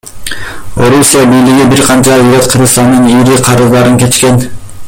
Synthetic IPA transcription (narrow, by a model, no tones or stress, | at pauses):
o̞ɾusʲijabijliɡibiɾqʰɑnt͡ʃɑyɾøt̪qʰɯɾʁɯst̪ɑnd̪ɯniɾiqʰɑɾɯzd̪ɑɾɯŋkʲe̞t͡ʃkʲe̞n